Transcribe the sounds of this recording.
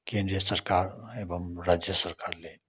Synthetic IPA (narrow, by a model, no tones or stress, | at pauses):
kẽːnd̪ɾijəsəɾkaːɾeːbəmɾaːd͡ʒjəsɐɾkaːɾleː